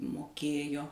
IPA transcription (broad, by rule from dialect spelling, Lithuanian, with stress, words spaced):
moːˈkʲeːjoː